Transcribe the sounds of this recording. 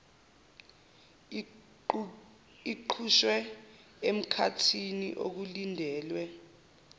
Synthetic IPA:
iǃʰuʃwɛ | em̩kʰatʰinḭʔo̰k̬ulindʱɛːlwɛ

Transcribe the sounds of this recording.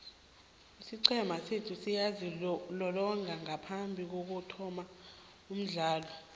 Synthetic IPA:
isiǀʰɛmasetʰusijazilɔlɔŋaŋapʰambʱik̬ok̬utʰɔma | um̩ɮaːlɔ

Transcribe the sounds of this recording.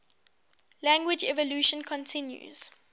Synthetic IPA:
læ̃ŋɡwɪd͡ʒɛvəljuʃə̃nkʰɔ̃ntʰɪ̃njṵz̥

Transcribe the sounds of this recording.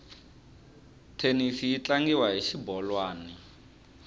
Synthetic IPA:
tʰenifijit͡ɬaŋɡiwaɦiʃibɔlwaːni

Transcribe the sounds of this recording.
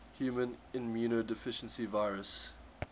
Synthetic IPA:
hjuːmə̃nɪ̃nmjuːnodɪfɪʃə̃nsivaɪɹəs

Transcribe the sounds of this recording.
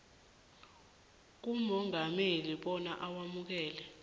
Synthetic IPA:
k̬umɔŋameliɓɔnaʔawamuk̬ɛːlɛ

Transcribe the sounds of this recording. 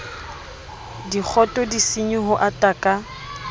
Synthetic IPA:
dik͡xʰɔtʼɔdisiɲʊɦʊʔatʼakʼa

